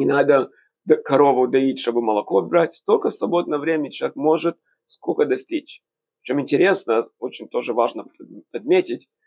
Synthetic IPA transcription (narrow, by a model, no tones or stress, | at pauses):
nʲɪnad̪ə | kɐɾo̞vʊd̪ɐitʲʂt̪o̞bɨməlˠɐko̞bɾatʲst̪olʲkəsvɐbo̞d̪̚nəjəvɾʲemʲɪɪt͡ɕɪlˠʲekmo̞ʐɨt̪̚ | skokəd̪ɐsʲtʲit͡ɕʲ | t͡ɕo̞mɪnʲtʲɪɾʲe̞snəo̞t͡ɕɪnʲt̪o̞ʐɨvaʐnəpɐd̪̚mʲetʲɪtʲ